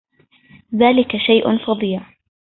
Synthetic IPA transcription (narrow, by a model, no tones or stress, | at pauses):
ðaːlɪkaʃajʔʊ̰nfɑd̪ˤija